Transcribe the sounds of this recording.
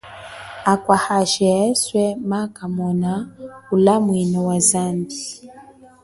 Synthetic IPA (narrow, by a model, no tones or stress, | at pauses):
akwahaʃɛɛswɛmakamɔnaulamwinɔwazambi